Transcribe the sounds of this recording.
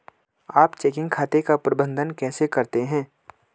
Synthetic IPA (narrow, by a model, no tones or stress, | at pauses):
aːpt͡ʃeːkɪ̃ŋɡkʰaːt̪ekapɾɐbə̃nd̪ʱənkɛːsekɐɾt̪eɦɛ̃ː